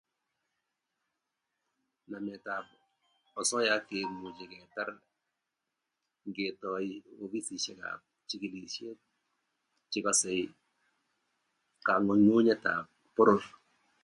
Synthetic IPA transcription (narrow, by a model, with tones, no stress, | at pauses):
na˨mɛ˨ta˨b | ɔ˨sɔ˦ja˦ke˨mu˨d͡ʒi˨kɛ˨ta˦ɾ | ŋɡe˨tɔ˨io˨bi˦si˨ʃe˦ka̰ | t͡ʃi˦ki˨li˨ʃe˦ | t͡ʃɪ˦kɔ˨sɛ˨j | ka˨ŋɔ˨ɲu˦ɲe˦ta̰˨ | pʊ˦ɾʊ˦l